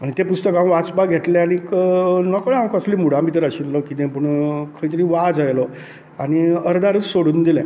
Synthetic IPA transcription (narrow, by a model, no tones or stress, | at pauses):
añit̪epust̪əkãw̃ʋat͡sbaɡʱeʈlẽañiknəkɭãŋkəsliːmuɽãmʱit̪əɾəɕit̪lɔkit̪ẽpəɳkʰəɭit̪əɾiːʋad͡zajlɔ | aɽ̃iəɾd̪aɾət͡ssoɽuːnd̪ilɛ̰̃